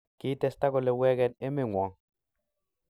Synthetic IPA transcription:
ki˦t̪e˦st̪a˦ko˨le˨wɛ˦ɡɛ˦ne˦me˦˨ŋwɔ˨ŋ

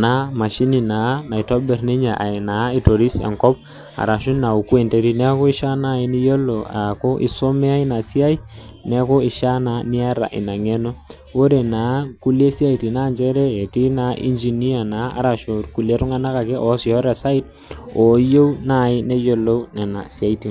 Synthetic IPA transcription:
na˨˦ma˨ʃi˦ni˨na˨˦na˨i˨tɔ˦bɛ˨rne˦ɲa˨ʔa̰˨na˨˦ɪ˨to˨ɾi˦sa̰˨ŋkɔ˦p̚ | a̰˨ɾa˨ʃu˦nna˨u˨ku˦e˨nte˨˦ɾi˦nɛ˦ko˦ɪ˦ʃa˦na˦˨ɪ˦ni˦jo˦lo˨a˨ko˦ʔɪ̰˦so˦mɛ˦a˦i˦na˨si˦a˦i˦nɛ˦ko˦ɪ˨ʃa˦na˨˦ni˦a˦ɾa̰˨ʔɪ̰˨na˨ŋe˦no˦ | wo˦ɾe˨na˨˦ku˦le˦si˦a˦i˨ti˨na˦˨nd͡ʒɛ˦ɾɛ˦e˨ti˦na˨˦ʔḭ˦nd͡ʒi˨ni˦a˨naː˨˦a̰˨ɾa˨ʃo˨ɾku˨le˦ɾʊ˦ŋa˦na˦ka˨kɛ˦ʔɔ˨˦sjɔ˦ɾɛ˨sa˦ɪ˦t̚ | o˨˦jo˦wna˦˨ɪ˦ne˦jo˨lo˦nɛ˨na̰˨si˦a˦i˦ti˨ŋ

